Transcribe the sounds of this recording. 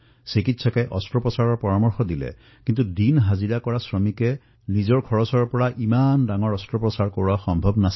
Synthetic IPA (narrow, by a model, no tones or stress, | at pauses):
sikitsɔkɛʔɔstɹɔpɹɔsaɹɔɹpɔɹamɔɹxɔdilɛ̰ | kintudinɦaziɹakɔɹasɹɔmikɛ | nizɔɹkʰɔɹɔsɔɹpɔɹaʔimandaŋɔɹɔstɹɔpɹɔsaɹkoɹuaxɔmbʱɔbnas